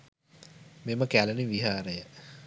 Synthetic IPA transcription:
meməkæləniʋiɦaːɾəjə

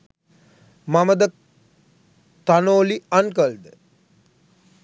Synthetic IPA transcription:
maməd̪ə | t̪anoːliankəld̪ə

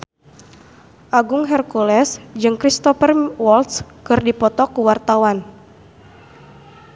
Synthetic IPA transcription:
ʔaɡʊŋɦɛrkulɛsd͡ʒɨŋkɾist̪ɔfərwɔlt̪skɨrdipɔt̪ɔkuwart̪awan

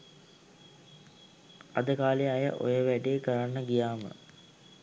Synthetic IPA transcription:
ad̪əkaːleajə̰ʔo̰jəʋæɖeːkəɾanːəɡijaːmə̰

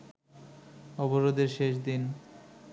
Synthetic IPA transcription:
ɔboɾod̪eɾʃeʃd̪in

